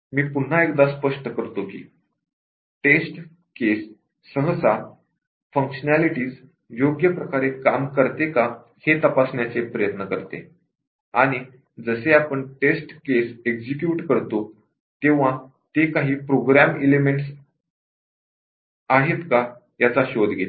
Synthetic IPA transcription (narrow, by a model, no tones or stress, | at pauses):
miːpun̤ːaekd̪aspəʂʈəkəɾt̪okḭː | ʈesʈ | kesː | əɦəsa | fəŋkɕənaliʈiːs | joɡjəpɾəkaɾekamkəɾt̪eka | het̪əpasɳjat͡sepɾəjət̪nəkəɾt̪ḛ | aɽ̃i | d͡zəseapəɳʈesʈkesekd͡ʑikjuʈkəɾt̪o | t̪ẽʋ̤ã | t̪ekaɦiːpɾoɡɾamelemeɳʈs | aɦet̪ka | jat͡saɕod̪ʱɡʱet̪